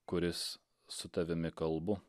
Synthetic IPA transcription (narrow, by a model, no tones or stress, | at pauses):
kʊɾʲɪsː | ʊt̪ɐʋʲɪmʲɪkɐlˠbʊ